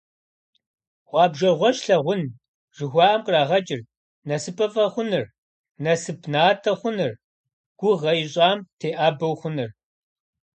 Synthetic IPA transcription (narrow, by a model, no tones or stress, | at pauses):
ʁʷɑːbʒɐʁʷɔʃɬɐʁʷʊn | ʒ̥ɨxʷɑːʔɐmkʼraːʁɐt͡ʃʼɪr | nɐsɨpʼɐfʼɐχʷʊnɨr | nɐsɨpʰnaːtʰɐχʷʊnɨr | ɡ̥ʷʊʁɐjɪɕʼɑːmtʰeːʔaːbɐwχʷʊnɨr